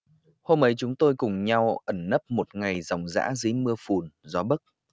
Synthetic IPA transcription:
ho˧mʔə˨˦jt͡ɕʊ˨˦ŋ͡mt̪o˧jkʊ˨˩ŋ͡mɲa˧wʔə˧˩nːə˦˥p̚mo˨˩t̚ŋa˨˩jza˨˩wŋ͡mza̰ː˧˥zɨ˨˦jmɨ˧əfu˨˩nzɔ˨˦ɓə˦˥k̚

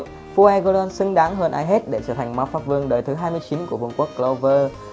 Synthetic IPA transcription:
fu˧ʔɛ˧ɣo˧laː˧nsɨ˨˧ŋɗaː˨˦ŋɦəː˧nʔaː˧jɦe˦˥t̚ɗe˧˩sə̰ː˧˩t̪ʰa˨˩ŋ̟maː˨˦wfaː˦˥p̚vɨ˧əŋɗəː˨˩jt̪ʰɨ˨˦ɦaː˧jmɨ˧əjt͡ɕi˨˦nku˧˩əvu˨˩əŋku˦˥əkːlo˧vəː˧

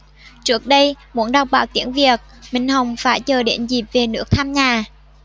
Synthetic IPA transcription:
t͡ɕɨ˦˥ək̚ɗə˧j | mṵ˧˥ənɗɔ˨˩k͡p̚ɓa̰ː˧˨˩wt̪ḭ˧˥əŋvi˨˩ək̚mï˨˩ŋ̟ɦə˨˩wŋ͡mfaː˧˩jt͡ɕəː˨˩ɗḛ˧˦˥nzi˨˩p̚ve˨˩nɨ̰˦˧˥ək̚t̪ʰaː˧mɲaː˨˩

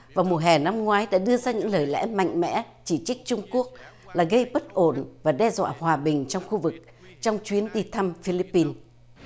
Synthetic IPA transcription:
vaː˨˩wmo˨˩t̚ɦɛ˨˩na˧mŋwaː˨˦jɗa̰ː˧˥ɗɨ˧əzaː˧ɲɨ̰˧˥ŋləː˨˩jlɛ̰˧˥ma̰˧˨jŋ̟mɛ̰˧˥ | t͡ɕi˧˩t͡ɕi˦˥k̟̚t͡ɕʊ˧ŋ͡mku˦˥ək̚ | laː˨˩ɣə˧jɓə˦˥t̚ʔo˧˩nvaː˨˩ɗɛ˧zwa̰ː˧˨hwaː˨˩ɓï˨˩ŋ̟t͡ɕɔ˧wŋ͡mxu˧vɨ˨˩k̚ | t͡ɕɔ˧wŋ͡mt͡ɕwi˨˦ənɗi˧t̪ʰa˧mfi˧li˦˥pːi˧n

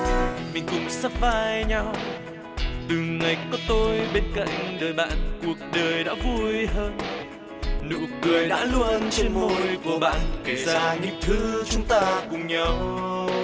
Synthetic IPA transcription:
mï˨˩ŋ̟kʊ̰˧˥ŋ͡msa˦˥p̚vaː˧jɲa˧w | t̪ɨ˨˩ŋa˨˩jkɔ˨˦t̪o˧jɓe˧nka̰˧˨jŋ̟ɗəː˨˩jɓa̰ː˧˨nku˨˩ək̚ɗəː˨˩jɗa̰ː˧˥vu˧jɦəː˧n | nɨ̰˧˨kɨ˨˩əjɗa̰ː˧˥lu˧ənt͡ɕe˧nmo˧˩jku˧˩əɓa̰ː˧˨nke˨˩zaaː˧˩ɲɨ̰˧˥ŋt̪ʰɨ˨˦t͡ɕʊ˨˦ŋ͡mt̪aː˧kʊ˨˩ŋ͡mɲə˧w

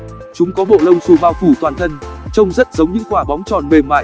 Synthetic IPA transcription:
t͡ɕʊ˨˦ŋ͡mkɔ˨˦ɓo̰˧˨lə˧wŋ͡msu˨˩ɓaː˧wfu˧˩t̪waː˨˩nt̪ʰə˧nt͡ɕə˧wŋ͡mzə˦˥t̚zə˨˦wŋ͡mɲɨ̰˧˥ŋkwaː˧˩ɓɔ˨˦wŋ͡mt͡ɕɔ˨˩nɓe˨˩mːa̰ː˧˨

